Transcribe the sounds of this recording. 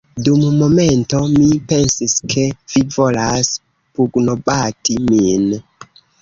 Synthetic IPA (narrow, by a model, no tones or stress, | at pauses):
dummo̞me̞nto̞mipe̞nsiskʰe̞vivo̞las | puɡno̞batimin